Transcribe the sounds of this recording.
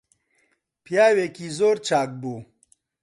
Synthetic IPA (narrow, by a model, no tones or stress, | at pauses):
pjaːweːkizoːɾt͡ʃaːk̚buː